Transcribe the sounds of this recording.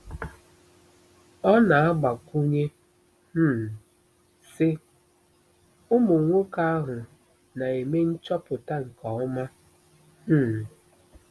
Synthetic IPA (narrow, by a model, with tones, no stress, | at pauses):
ɔ˦na˨a˦ɡ͡ba˨kʷu˦ɲe˦ | m̩˦˨ | sɪ˦ | ʊ˦mo˨ŋʷo˦ka˦a˦ɦʊ˨ | na˨e˨me˦n̩˦t͡ʃɔ˦pʊ˨ta˦ŋ̩˨kɔ˨ɔ˦ma˦ | m̩ː˦˨